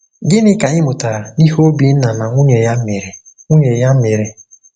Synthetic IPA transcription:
ɡɪ˦nɪ˦ka˨ɲɪ˦mʊ˨ta˨ɾa˨ni˦ɦo˦o˦bi˨n̩˦na˨na˨ŋʷu˦ɲe˨ja˦m̩˦me˨ɾe˨ | ŋʷu˦ɲe˨ja˦me˨ɾe˨

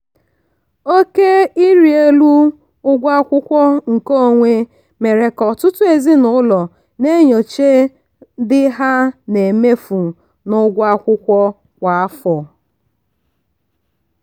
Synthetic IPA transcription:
o˦ke˦i˦ɾi˨e˦lu˦ | ʊ˦ɡʷa˦kʷʊ˦kʷɔ˦ŋ̩˨ko˦˨ŋʷe˦ | me˨ɾe˨kɔ˨tʊ˦tʊ˦e˨zi˦nʊ˦lɔ˨ | ne˦ɲo˨t͡ʃe˦ | dɪ˦ɦa˦ne˨me˦fu˨ | nʊ˦ɡʷa˦kʷʊ˦kʷɔ˦ | kʷa˨a˦fɔ˨

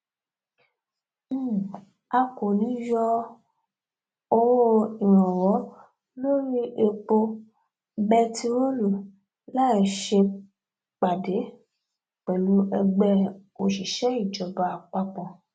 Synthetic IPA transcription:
a˧ko˨nĩ˨˦jɔ˧ | o˧wo˦i˨ɾ̃ɔ̃˨wɔ˨˦ | lo˦ɾi˦ʔe˧k͡po˧ | bɛ˦tʰi˧ɾo˦lu˨ | la˦˨ʃe˧ | k͡pa˨de˨˦ | k͡pɛ˨lu˨˦ʔɛ˧ɡ͡bɛ˦˨o˨ʃi˨ʃɛ˦i˦˨d͡ʒɔ˨ba˧a˧k͡pa˧k͡pɔ̃˧˨

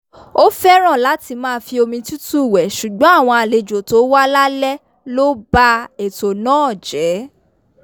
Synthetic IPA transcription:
o˦fɛ˦ɾ̃ã˦˨la˨˦ti˧mãː˦˧fi˧o˧mĩ˧tu˦tu˦˨wɛ˨ʃu˨ɡ͡bɔ̃˨˦a˦˨w̃ɔ̃˧a˧˨le˧d͡ʒo˨to˨˦wa˦la˦lɛ˦ | lo˦ba˦e˨to˨nãː˦ɔ˨d͡ʒɛ˨˦

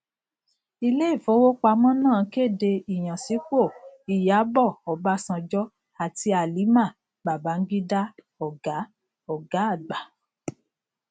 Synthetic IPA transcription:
i˧le˦i˦˨fo˧˦wo˦k͡pa˧mɔ̃˦nãː˦˨˦ke˦˨de˧i˨j̃ã˨si˨˦k͡po˦˨i˨ja˨˦bɔ˦˨ɔ˨ba˧sã˧d͡ʒɔ˦ | a˨ti˧a˨li˨˦mã˦˨ | ɡ͡ba˨ba˨˦ŋ̩˦ɡi˦da˦ | ɔ˨ɡa˨˦ | ɔ˨ɡa˨˦a˦˨ɡ͡ba˨˦

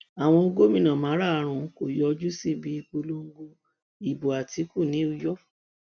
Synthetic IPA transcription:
a˨w̃ɔ̃˧o˧ɡo˦mĩ˦˨nã˨mãː˨˦ɾa˦˨˦ɾ̃ũ˧˦ko˨jɔ˨˧d͡ʒu˦si˦˨bi˨˧˦i˧k͡po˧lo˦ŋ̩˦ɡo˧ | i˨bo˨a˨ti˨˦ku˦˨nĩ˨˦u˦˧jɔ˦

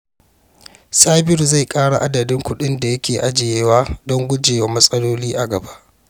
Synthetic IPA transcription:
saː˦bɪ˦ɾza˦˨jkʼaː˦ɽa̰˨ʔa˦dɐ˨dɪ˦ŋkʷʊ˦ɗɪ˦nda˨jɐ˦kʲeː˨ʔa˦d͡ʒe˨jeː˦waː˦dɔ˦ŋɡʷʊ˦d͡ʒeː˨wa˦mɐ˦sʼɐ˦loː˦liː˦ʔa˨ɡɐ˨ba˦ʔ

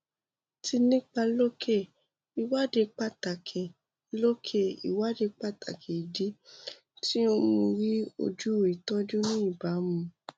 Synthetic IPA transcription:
ti˧nĩ˦k͡pa˧lo˦kʰe˦˨ | i˨wa˦de˧k͡pa˦˨ta˨kʰe˨ | lo˦kʰe˦˨ḭ˨wa˦de˧k͡pa˦˨tʰa̰˨kʰe˨i˨di˨˦ | ti˦õ˧ũ˧ɾi˦o̰˧d͡ʒu˦˨i˨tɔ̃˦d͡ʒu˦nĩ˦i˦˨ba˨˦mũ˧

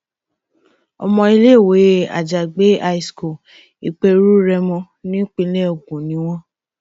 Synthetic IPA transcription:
ɔ̰˧mɔ̃˧i˧le˦˨we˨˦˨a̰˨d͡ʒa˨ɡ͡be˦a˧i˧sko˨ | i˨k͡pe˧ɾu˦ɾɛ˧mɔ̃˧ | nĩ˦k͡pi˧˦le˦o˨ɡũ˨nĩ˨˦w̃ɔ̃˦

